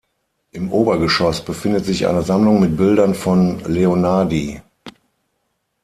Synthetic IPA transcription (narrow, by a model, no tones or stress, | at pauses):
ʔɪmʔoːbɐɡəʃɔsb̥əfɪndətz̥ɪçʔa̰ɪnəzamlʊŋmɪt̚b̥ɪldɐnfɔnleonaɐdi